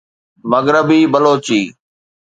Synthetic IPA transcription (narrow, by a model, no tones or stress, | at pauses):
məɡɾəbiːbəloːt͡ʃiː